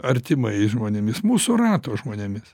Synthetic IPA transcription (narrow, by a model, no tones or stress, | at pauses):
ɐɾʲt̪ʲɪmɐɪʒmoːnʲɛmʲɪsmuːsʊrɑːt̪oːʒmoːnʲɛmʲɪs